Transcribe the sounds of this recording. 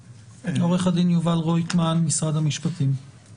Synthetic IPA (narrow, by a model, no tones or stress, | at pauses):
oʁeχad̪injuvalʁojt̪manmisʁad̪hamiʃpat̪im